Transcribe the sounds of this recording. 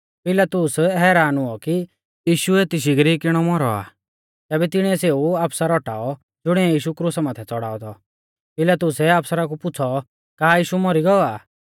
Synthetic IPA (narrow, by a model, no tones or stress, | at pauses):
pɪlat̪ʊsɦɛːɾaːnʊɔki | jiːʃuɛt̪ɪʃ̬iɡɾiːkɪɽ̃ɔmɔɾɔa̰ː | t̪ɛːbɛt̪ɪɽ̃iɛseːuaːpsaɾɔʈa̰ːɔ | d͡zʊɽ̃iɛjiːʃukɾusamãːt̪ʰɛt͡sɔɽa̰ːɔt̪ʰɔ | pɪlat̪ʊsɛaːpsəɾakupʊt͡sʰɔ | kaːjiːʃumɔɾiɡɔɔaː